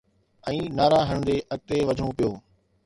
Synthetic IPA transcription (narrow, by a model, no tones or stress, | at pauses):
ɛ̃ːnaːɾaːɦəɽ̃d̪eːʔɐk̚t̪eʋɐd̪ʱɳõpijoː